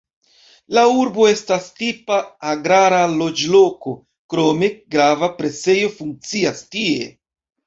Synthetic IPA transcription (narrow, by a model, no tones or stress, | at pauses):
lauɾbo̞e̞stastipaːɡɾaɾalo̞d͡ʒlo̞ko̞ | kɾo̞me̞ɡɾavapɾe̞se̞jo̞fuŋk̚t͡siastie̞̰